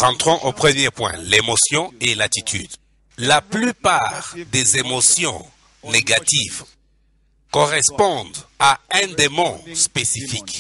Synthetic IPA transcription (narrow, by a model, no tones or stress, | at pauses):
ʁɑ̃t̪χɔ̃ʔopχəmjepwɛ̰̃lemosjɔ̃elat̪it̪ʰy̰d̪ | laplypaʁd̪ezemosjɔ̰̃ | neɡat̪iv | kɔʁɛspɔ̃d̪aɛ̃d̪emɔ̃spesifik